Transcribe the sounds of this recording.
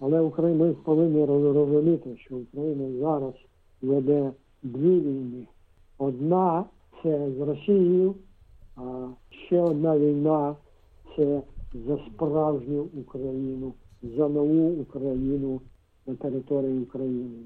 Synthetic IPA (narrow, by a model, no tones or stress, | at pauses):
ɐlˠɛukɾɐjinaispɔʋɪnːʲiɾɔzɾɔzʊmʲit̪ɪʃt͡ʃɔukɾɐjinɐzaɾɐs | ʋɛd̪ɛ | d̪ʋʲiʋʲijnɪ | ɔd̪na | sɛzɾɔsʲijijʊ | aʃt͡ʃɛɔd̪naʋʲijna | sɛzɐspɾawʒnʲʊukɾɐjinʊzɐnɔʋuːkɾɐjinʊ | nɐt̪ɛɾɪt̪ɔɾɪjiukɾɐjinɪ